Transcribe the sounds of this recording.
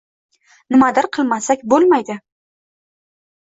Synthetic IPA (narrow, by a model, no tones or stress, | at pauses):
nɪmad̪ɪɾqʰɨlˠmasakʲbolˠmajd̪ɪ